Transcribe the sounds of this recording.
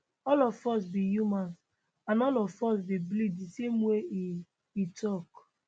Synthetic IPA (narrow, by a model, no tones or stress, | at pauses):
ɔlɔvfɔs̬bijumãns | ãnɔlɔvfɔs̬biblidisemwe | itʰɔk